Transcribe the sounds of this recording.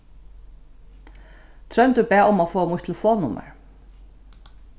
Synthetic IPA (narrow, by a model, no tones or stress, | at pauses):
t̪ʰɾœnt̪ʏpɛːʊmafoːmʊjht̪ʰlfoːnʊmə̰ɹ